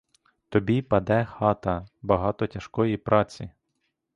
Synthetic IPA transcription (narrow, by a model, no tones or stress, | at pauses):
t̪ɔbʲipɐd̪ɛxɑt̪ɐbɐɦɑt̪ɔtʲɐʃkɔjipɾʔɑt͡sʲi